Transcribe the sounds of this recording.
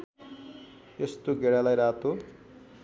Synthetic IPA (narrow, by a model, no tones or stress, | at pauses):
est̪oɡeɽalajɾat̪ʰo